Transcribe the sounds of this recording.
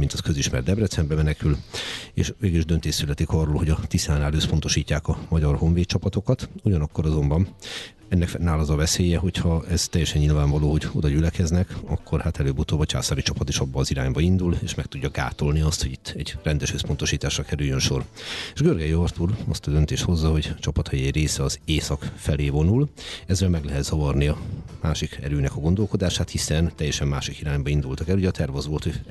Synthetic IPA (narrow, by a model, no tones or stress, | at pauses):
mint̪ɒskøziʃmɛ̰rd̪ɛbrɛt̪sɛmbɛmɛnɛkylḛːʃʋeːɡiliʒd̪ø̞nt̪eːsːylɛt̪ikɒrːoːlho̞ɟɒt̪isaːnaløspo̞nt̪o̞ʃiːcːaːkɒmɒɟɒrho̞ɱveːt̪t͡ʃɒpɒt̪o̞kɒt̪uɟɒnɒkːo̞ɾɒzo̞mbɒn | ɛnːɛkfnaːlɒzɒvɛseːjɛɦo̞chɒɛz̥t̪ɛjːɛʃɛnɲɲilvaːɱvɒloːɦo̞ɟo̞̰d̪ɒɟylɛkɛznɛkɒ̰kʰːo̞rhat̪ɛløːbut̪oːbɒt͡ʃa̰ːsaːɾit͡ʃɒpɒt̪iʃɒbːɒːziɾaːɲbɒind̪uleːʃmɛk̚t̪uɟːɒɡa̰ːt̪o̞lniɒst̪hoɟit̪ːɛɟ̥rɛnd̪ɛʃhøspo̞nt̪o̞ʃiːt̪aːʃrɒkɛɾyjønʃo̞reːʒɡørɡɛjɒrt̪uɾɒ̰st̪ɒd̪ønt̪eːʃt̪ho̞zːɒɦo̞ɟt͡ʃɒpɒt̪hɒjɛjreːsɛɒzeːsɒkfɛleːvo̞nulɛzːɛlmɛɡlɛɦɛt̪z̥ɒvɒrniɒmaːʃikɛ̰ɾøːnɛkɒɡo̞nd̪olko̞d̪aːʃaːt̪hisɛnt̪ɛjːɛʃɛmːaːʃikiɾaːɲbɒind̪ult̪ɒkɛluɟɛɒt̪ʰɛrvɒzʋo̞lt̪hoɟ